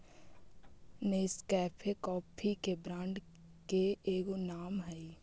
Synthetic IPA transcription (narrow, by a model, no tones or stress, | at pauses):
neːskɛːpʰekɔːpʰikebɾãːɳɖ | keeːɡonaːmɦɛi